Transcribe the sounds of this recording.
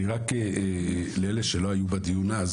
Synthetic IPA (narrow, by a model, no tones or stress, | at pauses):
iʁake | leleʃelo̞ajubad̪ijunaz